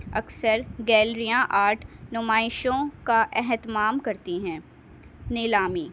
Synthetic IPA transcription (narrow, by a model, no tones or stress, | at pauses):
ɐksəɾɡɛːlɾijãʔaːɾʈnʊmaːɪʃõkaʔɛɦt̪maːmkɐɾt̪iɦɛ̃ː | nɪlaːmiː